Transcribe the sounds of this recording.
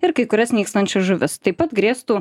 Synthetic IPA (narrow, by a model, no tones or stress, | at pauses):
ɪɾkɐɪkʊɾʲɛsnʲiːkst̪ɐnʲt͡ʃʲɛsʒʊʋʲɪst̪ɐɪpɐt̪ɡɾʲiːst̪uː